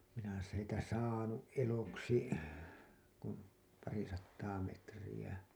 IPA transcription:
minæ sitæ sɑːnuʔ ʔeloksi kun pɑri sɑtːɑː metrij̆æ

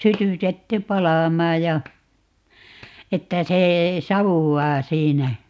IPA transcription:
sytytetːy pɑlɑˑmɑː jɑ etːæ se sɑʋuwːɑː siːnæ

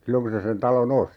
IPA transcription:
silːoŋ ku se sen tɑlon osti

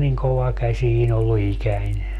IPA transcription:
niŋ koʋɑkæsʲiːn olːu ikænʲ

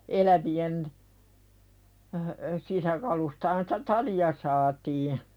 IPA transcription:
elæʋien sisækɑlustɑhɑn sĭ̥tæ tɑliɑ sɑːtiː

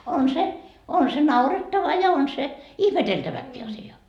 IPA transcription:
on se on se nɑuretːɑʋɑ jɑ on se ihmeteltæʋækːiː ɑsiɑ

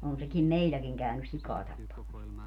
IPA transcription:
on sekim meilːækiŋ kæˑynys sikɑː tɑpːɑmɑs

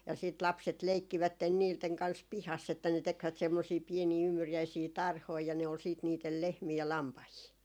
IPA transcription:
jɑ siːt lɑpset leikːiʋætːen niːlteŋ kɑns pihɑs etːæ ne tekʋæt semːosiː pieniː ymːyrjæisiː tɑrhoi jɑ ne ol siːt niːtel lehmiː jɑ lɑmpɑhiː

